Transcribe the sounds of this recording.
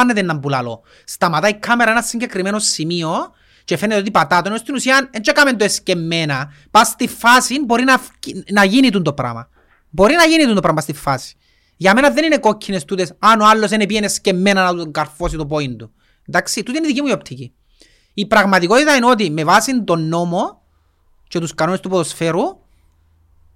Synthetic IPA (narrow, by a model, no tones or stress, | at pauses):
nːet̪enːɐmbulɐlo̰ | st̪ɐmɐt̪aikʰːameɾɐe̞nɐsːiɲɟe̞kɾimeno̞simio̞ | t͡ʃefenet̪ot̪ipɐt̪at̪oninost̪inusiɐnent͡ʃekamend̪oescemːenɐ | past̪ifːasinbo̞ɾinɐfnɐʝinit̪und̪o̞pɾa̰mɐ̰ | bo̞ɾinɐʝinit̪und̪opɾamɐɐst̪ifːasi̥ | ʝɐmenɐðe̞nineko̞cʰːinest̪ut̪esɐnoalːo̞s̬enepiʝenescemːenɐnɐt̪uŋɡɐɾfo̞s̬it̪opoind̪u | end̪aksit̪ut̪iniðicimuio̞pt̪ʰici | ipɾɐɣmɐt̪iko̞t̪it̪ɐino̞t̪̬imevasind̪o̞nːo̞mo | t͡ʃe̞t̪uskɐno̞nest̪upoðosfeɾu